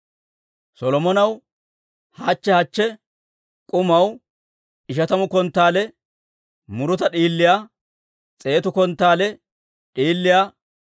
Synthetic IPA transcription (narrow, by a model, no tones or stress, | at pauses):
sɔlɔmɔnɐw | hɐt͡ʃːɛhɐt͡ʃːɛ | kʼʊmɐw | ɪʃ̬ɐt̪ɐmʊkɔnt̪ːaːlɛ | mʊɾʊt̪ɐɗiːlːɪjaː | t͡sʼe̞ːt̪ʊkɔnt̪ːaːlɛ | ᶑiːlːɪjaː